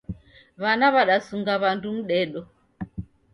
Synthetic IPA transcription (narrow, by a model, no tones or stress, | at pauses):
βanaβaɗasuŋɡaβandum̩ɗɛɗɔ